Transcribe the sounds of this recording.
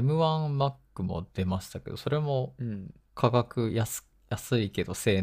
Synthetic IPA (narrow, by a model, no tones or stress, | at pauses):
mɯ̟βãmakːɯ̟mo̞̰d̪̥e̞maɕi̥t̪ake̞d̪o̞so̞ɾe̞mo̞ | kʰaɡakɯ̟jas | jasɨike̞d̪o̞se̞ː